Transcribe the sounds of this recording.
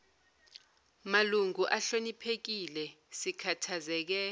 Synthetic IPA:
maluŋuʔaɬonipʰek̬ilɛ | sikʰatʰazɛːk̬ɛ

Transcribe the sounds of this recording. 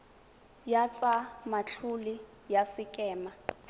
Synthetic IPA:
jat͡sʼamat͡ɬʰuli | jasɪkʼɛːma

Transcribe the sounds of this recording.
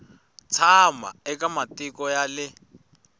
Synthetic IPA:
t͡sʰama̰ɛkʼamatikɔjalɪ

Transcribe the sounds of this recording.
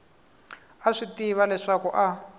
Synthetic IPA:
aʂitiβalɛʂakuʔa

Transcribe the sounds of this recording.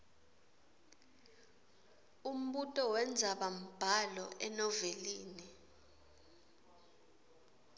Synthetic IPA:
um̩ɓutʼɔwɛnd͡zʱaɓam̩b̥ʱalɔʔɛnɔveliːni

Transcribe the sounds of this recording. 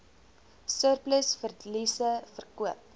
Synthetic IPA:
sœrpləsfərlisəfərkuəp̚

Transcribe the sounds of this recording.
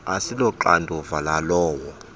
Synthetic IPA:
asilɔǃandʱɔvalalɔːwɔ

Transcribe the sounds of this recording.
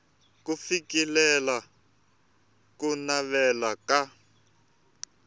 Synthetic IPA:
kufikilɛla | kunaβɛlaka

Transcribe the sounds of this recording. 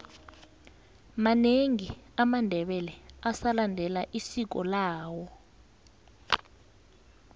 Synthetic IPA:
maneŋiamandʱɛɓɛlɛasalandʱɛlaʔisik̬ɔlaːwɔ

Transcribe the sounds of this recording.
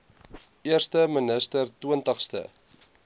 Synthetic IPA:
iəɾst̪əmənəst̪əɾt̪wuənt̪əχst̪ə̰

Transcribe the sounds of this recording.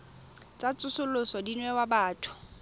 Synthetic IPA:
t͡sʼat͡sʼʊsʊlʊsɔdinwɛwabaːtʰʊ̥

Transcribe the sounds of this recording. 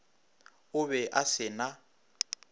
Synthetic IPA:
ʊβɛʔasɪna

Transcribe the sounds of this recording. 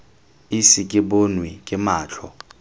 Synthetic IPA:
isɪkʼɪbonwikʼɪmaːt͡ɬʰɔ

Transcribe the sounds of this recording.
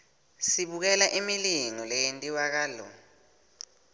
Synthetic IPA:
siɓuk̬ɛlaʔimiliŋɔlɛjentʼiwak̬aːlɔ̰

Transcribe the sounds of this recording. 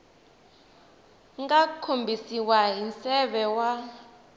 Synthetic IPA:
ŋɡakʰombʱisiwaɦinsɛɓɛwa

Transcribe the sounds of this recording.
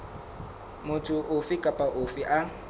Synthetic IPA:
mʊtʰʊʔʊfikʼapʼaʔʊfiʔa

